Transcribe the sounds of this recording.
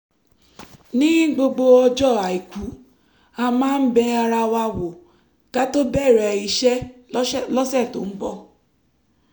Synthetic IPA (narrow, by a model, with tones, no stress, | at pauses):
nĩ˦ĩ˦ɡ͡bo˧ɡ͡bo˧ɔ˧d͡ʒɔ˦˨a˨i˨kʷu˨˦ | a˧mãː˦n̩˦bɛ˧a˧ɾa˧wa˧wo˨ | ka˦to˦bɛ˦˨ɾɛ˨i˧ʃɛ˦ | lɔ˦sɛ˦˨to̰˨˦m̩˦bɔ˧˨